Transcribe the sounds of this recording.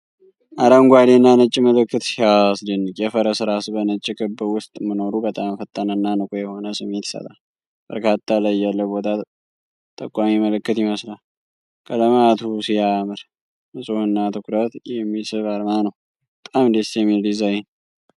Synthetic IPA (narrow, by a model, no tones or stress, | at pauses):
ʔaɾəŋɡʷad̪enːanɨt͡ʃʼːiməlɨkːɨt̪aslinːɨkʼjɛfəɾəsɨɾasɨbənɨt͡ʃʼːɪkʰɨbɨwʊst̪ʼmɨno̞ɾubət̪ʼamfət̪ʼːənənːanɨkʼojɛho̞nəsɨmːet̪i̥sə̰t̪ʼal | b̥ə̰ɾkʰat̪ʰːalajːalːəbo̞t̪ʰa | t̪ʼə̰kʼʷːamiməlɨkːɨt̪jɪməslal | kʰələmat̪ʰusijamɨɾ | mɨsʼohɨnːat̪ɨkʷɾət̪jɛmːisɨβaɾmanəw | bət̪ʼamd̪esjɛmːilizajn